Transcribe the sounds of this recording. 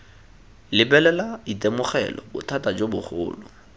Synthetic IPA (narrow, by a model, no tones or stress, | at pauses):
lɪbɛlɛlaitemʊχɛ̰lɔ̰bʊtʰatad͡ʒobʊχʊ̰ːlʊ̰